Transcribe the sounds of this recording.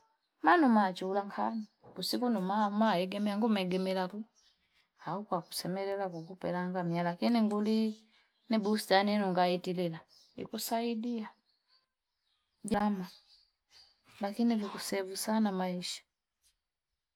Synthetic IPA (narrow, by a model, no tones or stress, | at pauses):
manumat͡ʃuulaŋkʰanikusikunumamaɛɡɛmɛaŋɡumɛɡɛmɛlaku | aukwaku̥sɛmɛlɛlakukupɛlaŋɡamialakiniŋɡuli | nibusitaninuŋɡaitilila | ḭkusaidia | ɟama | lakinivikusɛvusanamaiʃḁ